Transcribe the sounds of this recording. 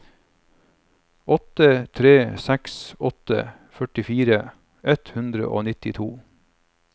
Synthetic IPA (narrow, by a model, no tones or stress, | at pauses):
ɔt̪ət̪ʰɾeːsæksɔt̪ə̰ | fœʈɪfiːɾə | ɛt̪hʉnd̪ɾə̰ʔo̰ːnɪt̪ɪt̪ʰuː